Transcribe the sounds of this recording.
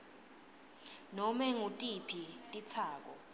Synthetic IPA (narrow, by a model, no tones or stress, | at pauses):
nɔmɛŋutʼipʰitʼit͡sʰaːk̬ʼɔ